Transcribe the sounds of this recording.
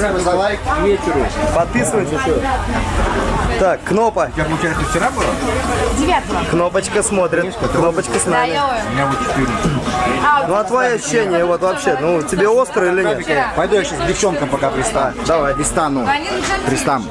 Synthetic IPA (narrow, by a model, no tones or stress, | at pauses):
ɐlajvʲetʲɪɾʊpɐt̪̚pʲisəvəjtʲɪʂo | t̪akːno̞pət̪ʲjʲapəlˠʊt͡ɕajɪʂt̪oft͡ʃɪɾabɨlˠədʲɪvʲat̪əəkno̞pət͡ɕkəsmo̞t̪ɾʲɪtkkno̞pət͡ɕkəsnamɪʊmɪnʲavot̪̚t͡ɕɪ̥t̪ɨɾʲ | nuɐt̪vɐjoɐɕʊɕːenʲɪjəvo̞t̪vɐpɕːe̞nutʲɪbʲeo̞st̪ɾəilʲɪnʲetpɐjd̪ujaɕasdʲɪft͡ɕo̞nkəmpɐkapɾʲɪst̪ad̪ɐvajpɾʲɪst̪anupɾʲɪst̪am